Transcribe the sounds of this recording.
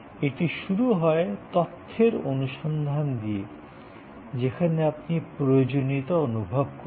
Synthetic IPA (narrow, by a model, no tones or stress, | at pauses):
eʈiʃuɾuɦɔet̪ot̪ʰːeɾonuʃɔnd̪ʱand̪ie | d͡ʑekʰaneapnipɾojod͡ʑonit̪oonubʱob̚ko